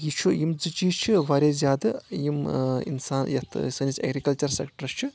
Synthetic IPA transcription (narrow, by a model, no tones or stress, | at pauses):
jit͡ʃʰujimd͡zɨt͡ʃiːt͡ʃʰiʋɐɾʲezʲjaːd̪ɨjimḭnsaːnjɐt̪ʰsɐnisɐ̰ɡɾikɐlt͡ʃɐɾsḛkʈɐɾt͡ʃʰɨ